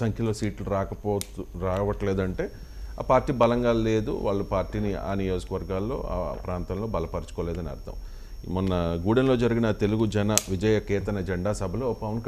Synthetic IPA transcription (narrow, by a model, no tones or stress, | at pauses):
sɐŋkʰjɐlo̞ːsiːʈluɾaːkɐpoːɾaːʋɐʈɐleːd̪ɐɳʈe̞ː | a̰ːpaːɾʈːiːbɐlɐŋɡaːle̞ːd̪ṵʋa̰ːɭːupaːɾʈiːnia̰ːnijo̞ːd͡ʒukɐʋɐɾɡaːlːo̞̰ːa̰pɾaːnt̪ɐmlo̞ːbɐlɐpɐɾit͡ʃu̥koːleːd̪ɐniɐ̰ɾt̪ʰɐ̰m | mɔnːɐɡuːɽɐnlo̞ːd͡ʒɐɾiɡinɐt̪e̞luɡud͡ʒɐnɐʋid͡ʒɐjɐkɛːt̪ɐnɐd͡ʒeɳɖaːsɐbʱɐloːpɐʋɐnkɐ